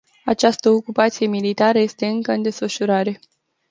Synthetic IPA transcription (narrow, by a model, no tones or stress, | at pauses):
at͡ʃast̪əokupat̪sije̞milit̪aɾəje̞st̪e̞ɨŋkəɨnd̪e̞sfəʃuɾaɾe̞